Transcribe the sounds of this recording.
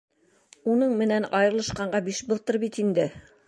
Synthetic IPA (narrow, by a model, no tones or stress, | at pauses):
unɤɴmɘ̆nænɑjɤ̆ɾɤ̆lˠɤ̆ʃqɑɴɢɑbiʃbɤ̆lˠt̪ɤɾbit̪ind̪ɘ